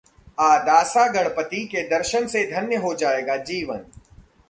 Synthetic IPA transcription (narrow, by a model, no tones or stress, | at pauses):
aːd̪aːsaɡɐɽ̃pət̪iked̪ɐɾʃənsed̪ʱɐnjəɦod͡ʒaːeːɡaːd͡ʒiːʋən